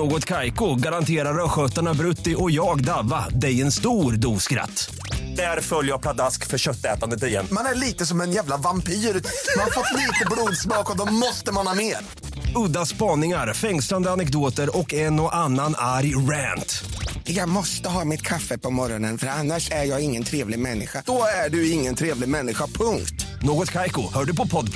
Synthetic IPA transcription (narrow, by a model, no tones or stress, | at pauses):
noːɡɔt̪kʰajkʊɡaɾant̪ʰeːɾaɾœɧœt̪ːaɳabɾɵt̪ːɪɔjɑːɡd̪avːad̪ɛjɛnst̪uːɾd̪uːskɾa̰t̪ː | d̪̥æɾfœljjapʰlad̪askfœɾɕœt̪ːɛːt̪and̪ət̪ɪjɛ̰nːmanæɭiːt̪əsɔmɛnjæːvlavampiːɾmanafɔt̪ːliːt̪əbluːd̪smɑːkɔd̪ɔmɔst̪əmanhɑːmeːɾ | ɵd̪aspɑːnɪŋaɾfɛŋsland̪əanɛk̚d̪oːt̪əɾɔkɛnɔʔanːanaɾjɾænt̪jɑːɡmɔst̪əɦɑːmɪt̪kʰafːəpʰɔmɔɾɔnənfœɾanːaʂæɾjɑːɡɪŋːənt̪ʰɾeːvlɪɡmɛnːɪɧad̪̥ɔæɖɵɪŋːənt̪ʰɾeːvlɪɡmɛnːɪɧapʰɵŋkt̪noːɡɔt̪kʰajkʊhœːɖɵpɔpʰɔd̪